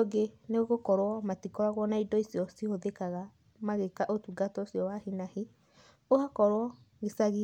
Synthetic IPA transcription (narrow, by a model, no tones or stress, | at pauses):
oɡeneɣoɣokɔɾwɔmatikɔɾaɣwɔnaidɔisiɔsihoðekaɣa | maɣekaʔotuɡatɔsjɔwahinahe | ohakɔɾwɔ | ɣesaɣi